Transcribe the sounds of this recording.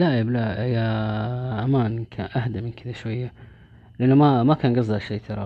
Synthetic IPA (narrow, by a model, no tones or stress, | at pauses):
laːʕɪblaja | ʕamaːnkʰanʔahd̪amɪnkɪd̪aʃwajːa | lɪʔanːamamakaːnɡɑzˤːɑʃeːt̪ʰɑɾˤɑ